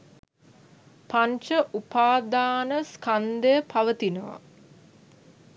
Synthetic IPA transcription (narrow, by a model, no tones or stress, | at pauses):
paɲt͡ʃəʔupaːd̪aːnəskand̪əjəpʰaʋət̪inəʋa̰